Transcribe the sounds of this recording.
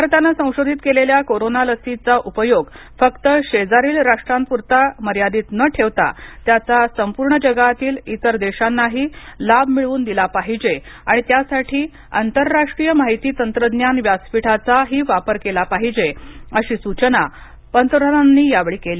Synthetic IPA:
bʱaɾt̪anasə̃w̃ɕod̪ʱit̪keleljakoɾonaləsit͡saʔupəjoɡ | fəkt̪əɕed͡zaɾiːlɾaʂʈɾampuɾt̪aməɾjad̪iːt̪nəʈʰeʋt̪a̰t̪jat͡sasəmpuɾɳəd͡ʑəɡat̪iːlit̪əɾd̪eɕanːaɦiːlabmiɭuːnd̪ilapaɦid͡ʑea̰ɽ̃it̪jasaʈʰiː | a̰nt̪əɾːaʂʈɾijəmaɦit̪iːt̪ənt̪ɾəd̪njanʋjaspiʈʰat͡saɦiːʋapəɾkelapaɦid͡ʑeəɕiːsut͡ɕəna | pənt̪əɾənanːiːjaʋɭiːkeliː

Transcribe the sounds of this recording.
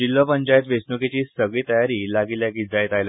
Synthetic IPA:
d͡ʑilːəpəɲt͡ɕajet̪ʋesnuket͡ɕiːsəɡɭiːt̪əjaɾilaɡiljaɡiːd͡zajet̪ajla

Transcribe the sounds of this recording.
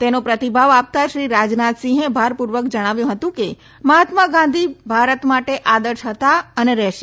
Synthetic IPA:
t̪enõpɾət̪ibʱaʋap̚t̪aʃɾiɾad͡ʒnat̪sĩɦẽbʱaɾpuɾʋəkd͡ʒəɽ̃aʋjũɦət̪ũke | məɦat̪maɡãn̆d̪ʱibʱaɾət̪maʈeʔad̪əɾʃɦət̪aəneɾɛʃe

